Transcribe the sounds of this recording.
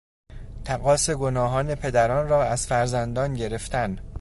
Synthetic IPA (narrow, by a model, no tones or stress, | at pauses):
t̪ʰæɣɒːse̞ɡonɒːɦɒːne̞pʰe̞d̪æɾɒːnrɒːæz̥fæɾzænd̪ɒːnɟe̞ɾe̞ft̪æn